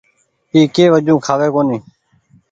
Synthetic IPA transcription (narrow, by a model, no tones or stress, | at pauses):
iːkeːʋəd͡ʒũːkʰaːʋeːkoːnĩː